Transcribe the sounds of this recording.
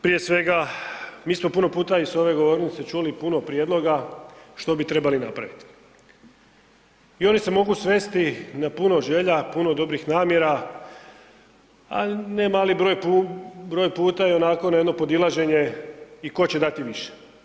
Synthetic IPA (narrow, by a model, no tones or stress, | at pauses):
pɾije̞sʋe̞ɡamiːsmo̞puno̞puːt̪aiso̞ʋe̞ɡo̞ʋo̞ɾnit̪se̞t͡ʃulipuno̞pɾje̞d̪lˠo̞ɡaʃt̪o̞bit̪ɾe̞balina̰pɾa̰ʋit̪i̥ | io̞nise̞mo̞ɡusʋe̞st̪inapuno̞ʒe̞ʎapuno̞d̪o̞bɾixnaːmje̞ɾa | a̰ne̞maːlibɾo̞ːjpubɾojpuːt̪ajeo̞nako̞najeno̞po̞d̪ilaʒe̞ɲe̞iko̞t͡ɕe̞d̪at̪iʋiʃe̥